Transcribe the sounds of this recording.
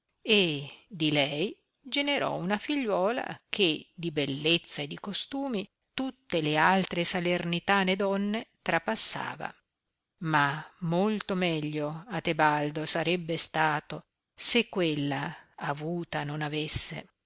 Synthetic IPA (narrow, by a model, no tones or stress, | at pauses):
ed̪ilɛj | d͡ʒeneɾɔ̰unafiʎːwɔːla̰kʰed̪ibelːet̪sːaed̪ːikost̪uːmi | t̪ut̪ːelealt̪ɾesalernit̪aned̪ɔnːet̪ɾapasːa̰ːva̰ | mamːolt̪omɛʎːoat̪ebald̪osaɾɛbːest̪aːt̪o | sekːwelːaːvuːt̪anonavesːḛ